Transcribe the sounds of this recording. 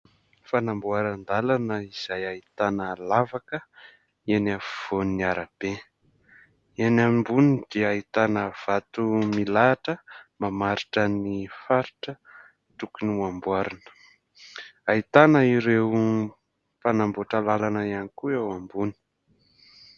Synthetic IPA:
fanambuaɾand̪alanəiz̥ajait̪anəlavakə | enafv̥oniniaɾab̥e | enambunid̪̥eait̪anəv̥at̪umilaʈ͡ʂəmamaɾiʈ͡ʂənifaɾiʈ͡ʂə | t̪ukuniambuaɾanə̥ | ait̪anəiɾew | fanamboʈ͡ʂəlalanəianikuewambuni̥

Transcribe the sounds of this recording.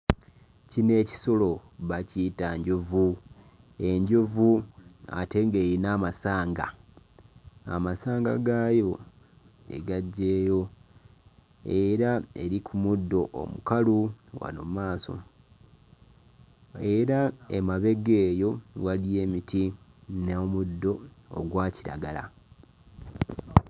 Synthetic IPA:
cine̞ːci̥so̞lo̞βacitaɲɟovu | e̞ɲɟovua̰te̞ŋɡe̞ːɾinaːmasaːŋɡa̰ | a̰masaːŋɡa̰ɡajo̞ | ḛɡaɟːe̞ːjo̞ | e̞ɾae̞̰ɾikʰumudːo̞ʔo̰mukaluwa̰no̰maːso̞̰ | e̞ɾaḛmaβe̞ɡe̞ːjo̞ɣalije̞ːmitʰineomudːo̞o̰ɡwaːciɾa̰ɡala̰

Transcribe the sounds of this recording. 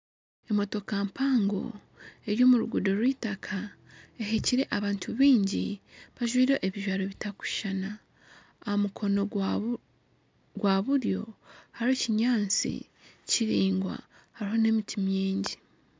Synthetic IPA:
e̞mo̞to̞kampaːŋɡo̞̰ | e̞ɾjo̞ːmuɾuɡudo̞ɾwiːtakʰa | eɦeciɾe̞ʔaβaːntʰuβiːɲɟiβaʒwiːɾe̞ʔeβiʒwaːɾoβitaku̥ʃana | aomukʰo̞no | ɡwaβuɾjo̞̰haɾeciɲaːnt͡sḭ | ciɾiːŋɡwa̰ | haɾiɦo̞ne̞mitʰimjeːɲɟi

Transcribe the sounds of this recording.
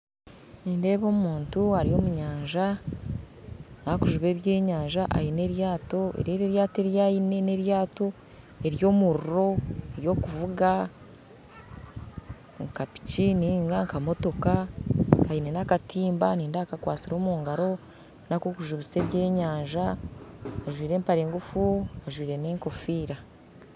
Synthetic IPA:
niːnde̞ːβo̞ːmuːntuaɾio̞ːmuɲaːɲʒa | nakuʒuβe̞ːβje̞ːɲaːɲʒaʔa̰jine̞ɾjaːto̞ḛɾeɾeɾjaːte̞ɾjaːjine̞ne̞ɾjaːto̞ | e̞ɾjo̞ːmuɾuɾo̞eɾjo̞kuvuɡa | ŋkapi̥ciniːŋɡaŋkamo̞to̞kaː | jinenakatʰiːmbaniːndakakwaːt͡siɾo̞ːmuːŋɡaɾo̞ | nakokuʒuβise̞ːβje̞ːɲaːɲʒa | aʒwiːɾe̞ːmpaɾe̞ːŋɡufuaʒwiːɾe̞ne̞ːŋko̞fiːɾa

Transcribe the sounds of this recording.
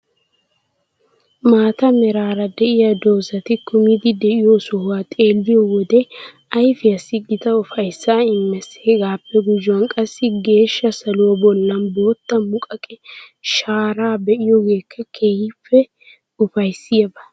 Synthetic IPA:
maːt̪ɐmɛɾaːɾɐd̪ɛʔɪjɐd̪o̞ːsɐt̪ɪkʊmɪd̪ɪd̪ɛʔɪjɔsʊhwaːt̪ʼe̞ːlːɪjɔwɔd̪ɛ | ɐjfɪɐsːɪɡɪt̪ɐʊfɐjsːaːɪmːɛseːɡaːpːɛɡʊd͡ʒʊwɐnkʼɐsːɪɡe̞ːʃːɐsɐlʊwɐbɔlːɐnbo̞ːt̪ːɐmʊkʼɐkʼɛʃaːɾaːbɛʔɪjɔɡe̞ːkːɐkʰeːjɪfːɛ | ʊfɐjsːɪjɐbɐ̥

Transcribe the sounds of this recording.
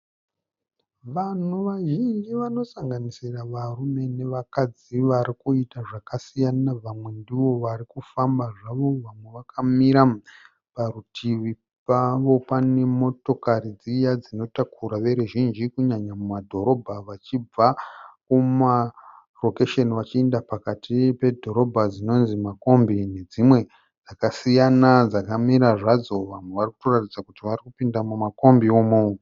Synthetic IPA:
ʋan̤uʋaʒind͡ʒiʋano̞saŋɡanisiraʋarume̞ne̞ʋakad͡ziʋaɾikuitaʐakasijanaʋamwe̞ndiʋo̞ʋarikufambaʐaʋo̞ʋamwe̞ʋakamiɾa | parutʰiʋi | paʋo̞pane̞mo̞to̞karid͡zijad͡zino̞takʰuɾaʋe̞ɾuʒind͡ʒikuɲaɲamumadʱo̞ɾo̞bʱaʋat͡ʃib͡vakuma | ro̞keʃe̞niʋat͡ʃiendapakatipe̞dʱo̞ɾo̞bʱad͡zino̞nzimako̞mbine̞d͡zimwe̞ | d͡zakasijanad͡zakamiɾaʐad͡zo̞ʋamwe̞ʋariku̥toratid͡zakutiʋarikupindamumako̞mbioːmo

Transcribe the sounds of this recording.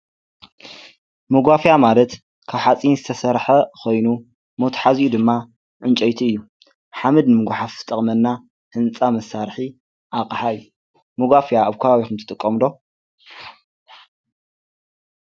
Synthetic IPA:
moɡʷafjamalɐt̪ | kʰaβħat͡sʼinzɨt̪ʰɐsɐɾħɐkʰo̞jnu | mot̪ʰħazjud̪ɨmːa | ʕɨnt͡ʃʼɐjt̪ʰiɨjːu | ħamɨd̪nɨmɨɡʷaħafɨ̥t̪ʼɐχʼmɐnːa | hɨnt͡sʼamɐsaɾħi | ʔakʼħaɨjːu | moɡʷafjaːβkʰɐβaβixumt̪ʰɨ̥t̪ʼɨkʼːɐmlo̞

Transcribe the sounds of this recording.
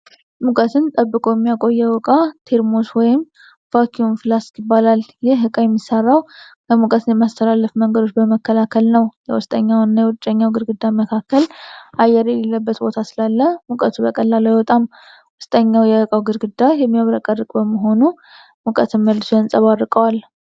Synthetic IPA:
mukʼət̪ʰɨnt̪ʼəbːɨkʼojɛmːijakʼo̞jːɛwɔkʼat̪ʰe̞ɾmoswɔjɪm | fakʰiunfɨlasjɪbːalaljɪhɦɨkʼajɛmːisːərːawkʰəmukʼət̪ʰɨnjɛmːast̪ʰəlalːəfməŋɡəd̪o̞t͡ʃːbəməkʰːəlakʰəlnəwjɛ̰wʊst̪ʼəɲːawnːajɛwt͡ʃʼːəɲːawɡɨɾɡɨd̪ːaməkʰakʰːəlʔajːɛɾjɛlelːəbːət̪bo̞t̪ʰasɨlalːəmukʼət̪ʰubəkʼəlːaləjwɔt̪ʼam | wʊst̪ʼəɲːawjɛɨkʼawɡɨɾɡɨd̪ːajɛmːijaβɾəkʼərːɨkʼbəməɦo̞nu | mukʼət̪ʰɨnməlːɨsoɨnsʼəβarːɨkʼəwal

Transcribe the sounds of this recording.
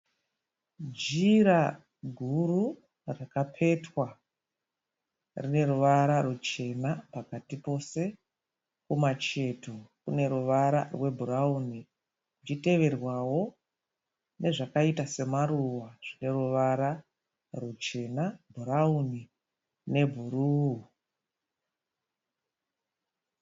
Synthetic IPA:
d͡ʒiɾa | ɡʱuru | rakapʰe̞twa | rine̞ɾuʋaɾarut͡ʃe̞napakatipo̞se̞ | kumat͡ʃe̞tʰokune̞ɾuʋaɾa̰rwe̞bʱuɾauni | kit͡ʃite̞ʋe̞rwawo̞ | ne̞ʐakaitase̞maɾuwaʐ̥ine̞ruʋaɾa | rut͡ʃe̞nabʱuɾauni | ne̞bʱuɾuu

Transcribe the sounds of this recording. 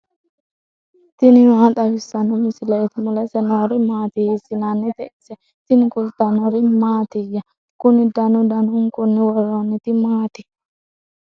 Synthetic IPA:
t̪ɪnɪmaːt̪ʼɐwɪsːɐnʊmɪsɪlɛt̪mʊlɛsɛnoɾɪmaːt̪ɪhɪsɪnanːɪt̪ɛʔɪsɛ | t̪ɪnɪkʊlt̪ɐnɔɾɪmaːt̪ɪjɐ | kʊnɪd̪ɐnʊd̪ɐnʊŋkʼʊnːɪwɔɾːonːɪt̪ɪmaːt̪ɪ

